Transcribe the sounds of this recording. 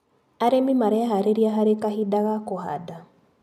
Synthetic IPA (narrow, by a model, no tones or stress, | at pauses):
aɾɛmimaɾɛaɦaɾeɾiaɦaɾekaɦidaɣakoha̰da